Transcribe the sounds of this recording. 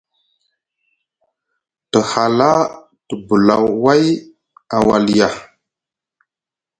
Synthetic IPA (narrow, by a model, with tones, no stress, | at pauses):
tə˨ha˨la˦ | tə˨bu˨la˨wwa˦j | a˨wa˨li˨ja˨